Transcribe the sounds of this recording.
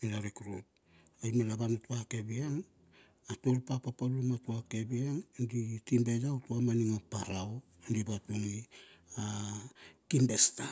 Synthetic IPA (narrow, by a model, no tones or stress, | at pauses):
miɾaɾekɾut̚ | ajmelaβanotuake̞biaŋ | atoɾupapapalumatuake̞biaŋditimbejautuamaniŋapaɾao | andibatuŋia | kimbe̞sta